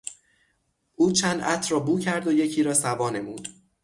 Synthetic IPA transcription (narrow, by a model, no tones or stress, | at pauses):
ʔuːt͡ʃʰænd̪ʔæt̪ʰɾɒːbuːcʰæɾd̪oje̞cʰiːɾɒːsævɒːne̞muːd̪̥